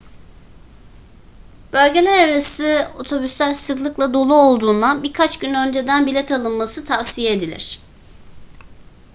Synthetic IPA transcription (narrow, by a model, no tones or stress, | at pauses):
b̥ø̞lʲɟe̞lʲæɾaɾasɯo̞̰t̪ʰo̞bysːælʲsɯklˠɯklˠad̪o̞lˠuo̞lˠd̪uːnd̪anbiɾkʰat͡ʃɟynø̞nd͡ʒe̞d̪ænbilʲɛt̪ʰalˠɯnmasɯt̪ʰavsijeːd̪ilʲḭɾ̝̥